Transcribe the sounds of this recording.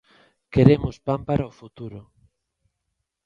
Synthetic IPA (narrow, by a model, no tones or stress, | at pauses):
keɾemʊspampaɾaofut̪uɾʊ